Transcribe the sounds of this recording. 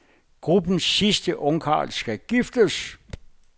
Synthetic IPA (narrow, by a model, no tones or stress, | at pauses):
ɡ̥ʁub̥n̩sːisd̥əʔɔ̽ŋkʰɑ̰̈ːlsɡ̥æɡ̥ifd̥əs